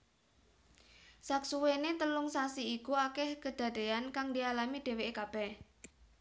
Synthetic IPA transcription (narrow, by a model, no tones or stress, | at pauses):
saksuwenet̪əlʊŋsasiːkuakɛhkəd̪̥a̤d̪̥e̤ankaŋd̪ialamid̥e̤weʔekab̥ɛh